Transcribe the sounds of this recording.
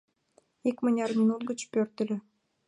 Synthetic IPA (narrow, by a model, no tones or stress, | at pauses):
ikmanʲɑrmʲinut̪ɡət͡ɕpørt̪ɘlʲø̆